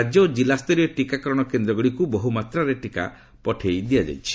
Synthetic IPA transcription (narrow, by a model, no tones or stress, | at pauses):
ad͡ʒɔd͡ʒilast̪ɔɾeʈikakɔɾɔɽ̃ɔkend̪ɾɔɡɔɽikubɔɦumat̪ɾaɾeʈika̰ | pɔʈʰejd̪iad͡ʒa̰jt͡ʃʰi̥